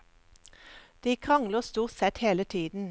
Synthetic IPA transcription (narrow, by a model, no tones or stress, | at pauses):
d̪̥iːkʰʁɑŋləʁst̪uːʁt̪sɛt̪heːlət̪ʰiːd̪n̩